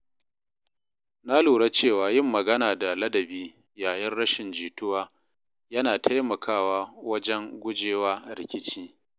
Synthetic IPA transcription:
na˦luː˨ɽa˦t͡ʃeː˦˨waː˨jɪ˦˨mːɐ˨ɡɐ˦naː˨da˨lɐ˦dɐ˨biː˦ | jaː˨jɐ˦nɽɐ˦ʃɪ˨nd͡ʒiː˨tʊ˦waː˦ | jɐ˦naː˨tʰa˦jmɐ˨kʰaː˦˨waː˦wɐ˦d͡ʒɛ˦ŋɡʷʊ˦d͡ʒeː˦waː˦ɾɪ̰˨kʲɪ˦t͡ʃiː˦

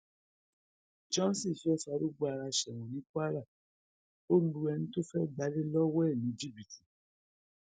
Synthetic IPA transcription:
d͡ʒɔ̃˦si˦˨fɛ˦fa˧˦ɾo˦ɡ͡bo˦a˧ɾa˧ʃɛ˨w̃ũ˨nĩ˨˦kʷa˦ɾa˦˨ | o˦lu˧ɛ˧nũ˦to˦fɛ˦ɡ͡ba˨˦le˦lɔ˦wɛ˦˨nĩ˨˦d͡ʒi˦˨bi˨ti̥˨

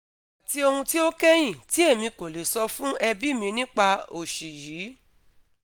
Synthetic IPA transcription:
a˨ti˧o˧hũ˧ti˦o˦kɛ˦j̃ĩ˦˨ti˨˦e˦˨mĩ˧ko˨le˨sɔ˧fũ˦ɛ˧bi˦mĩ˧nĩ˦k͡pa˧o˨ʃi˨jiː˨˦

